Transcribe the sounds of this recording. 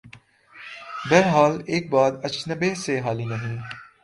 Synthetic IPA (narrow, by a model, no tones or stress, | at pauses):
bɛɾɦaːleːk̚baːd̪ɐt͡ʃnəbeːseɦaːliːnɐɦĩː